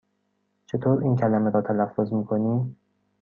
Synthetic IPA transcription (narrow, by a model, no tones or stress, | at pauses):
t͡ʃʰe̞t̪ʰoːɾiːncʰælæmeɾɒːt̪ʰælæfːozmiːkʰoniːm